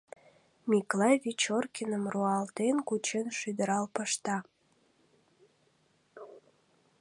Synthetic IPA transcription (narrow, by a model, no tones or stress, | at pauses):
mʲiklɑjβit͡ɕorkʲinəmruɑlt̪enkut͡ɕenʃyd̪əɾɑlpəʃt̪ɑ